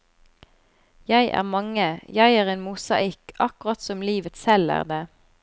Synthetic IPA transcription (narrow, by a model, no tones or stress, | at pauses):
jæɪʔæ̰ːʁmɑŋəjæɪæːʁeːnmʊsɑ̰ʔɪkɑkʊʁɑt̪sɔmliːʋət̪sɛlæ̰ːʁd̪eː